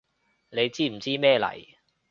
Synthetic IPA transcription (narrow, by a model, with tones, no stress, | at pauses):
ne˨˧jt͡siː˥m̩˨˩t͡siː˥mɛː˥˧lɐ̰˨˩j